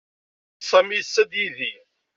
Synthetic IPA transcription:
sˤæmisːæd̪jiði

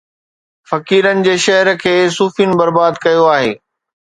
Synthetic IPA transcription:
fɐkiːɾənɪ̆d͡ʑeːʃɐɦəɾ̆kʰeːsuːfijnɪ̆bɐɾbaːd̪kɐjoaːɦḛː

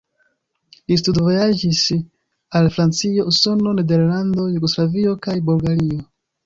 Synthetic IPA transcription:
lis̬tudvo̞jad͡ʒis | alfɾant͡sio̞uso̞no̞ne̞de̞ɾlando̞juɡo̞slavio̞kajbolɡaɾio

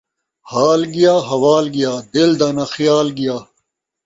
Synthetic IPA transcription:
haːlɡijaːɦɐwaːlɡijaːd̪eld̪aːnaxijaːlɡijaː

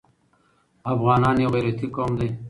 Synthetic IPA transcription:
afɣɑːnɑːnjewɣeɾɐt̪ʰikoːmd̪e

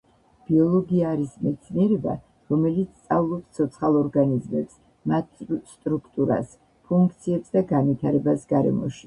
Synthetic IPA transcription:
b̥iɔlˠɔɡiaːɾismɛt̪sʰniɛɾɛba̰ | ɾɔmɛlit̪sʰt̪sʼavlˠɔpst̪sʰɔt̪sʰχalˠɔɾɡanizmɛps | mat̪̚ʰst̪ʼɾukʰt̪ʼuɾa̰s | pʰuŋk̚ʰt̪sʰiɛpsd̪aɡanvit̪ʰaɾɛbasɡaɾɛ̰mɔ̰ʃi̥

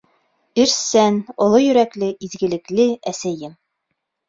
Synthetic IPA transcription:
ɘ̆ɾsænŏlˠojɵ̆ɾæklɘʔizɡɘ̆lɘ̆klɘæsæjɘm

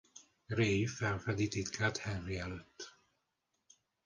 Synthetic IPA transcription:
reːjifɛɱfɛd̪it̪it̪kʰaːt̪hɛnriɛløt̪ː

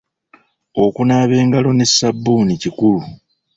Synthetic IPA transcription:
o̞kunaːβe̞ːŋɡalo̞ne̞sːabːuːnicikulu

